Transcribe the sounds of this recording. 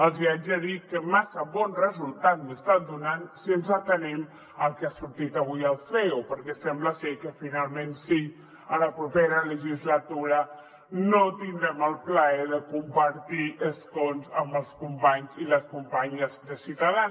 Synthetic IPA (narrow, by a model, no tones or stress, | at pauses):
əlˠzβiad͡ʒaðikəmasəβɔnrəzulˠt̪at̪məst̪at̪̚d̪unansiənzət̪ənɛm | əlˠkeasuɾt̪it̪aβ̞ujəlˠfeupəɾkɛsɛmbləsɛkəfinalˠmẽnsi | ələpɾupeɾələʒizlat̪uɾə | not̪ind̪ɾɛməlˠpləɛðəkumpəɾt̪iʔəskonzəmbəlˠskumpaɲziləskumpaɲəzðəsit̪aðan